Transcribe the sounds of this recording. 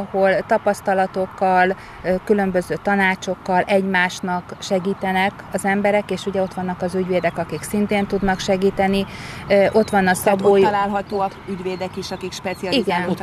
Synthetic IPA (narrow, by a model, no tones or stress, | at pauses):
ɒho̞lt̪ɒpɒst̪ɒlɒt̪o̞kːɒl | kylø̞mbø̞zøːt̪ɒnaːt͡ʃo̞kːɒlɛɟmaːʃnɒkʃɛɡiːt̪ɛnɛk | ɒzɛmbɛɾɛkeːʃuɟɛo̞t̪ʋɒnːɒkɒzyɟʋeːd̪ɛkɒkiksint̪eːnt̪ud̪nɒkʃɛɡiːt̪ɛniøʔo̞t̪ʋɒnːɒsɒboːjlaːlɦɒt̪oːɒ | yɟʋeːd̪ɛkiʃɒkikʃpɛt̪siɒiɡɛn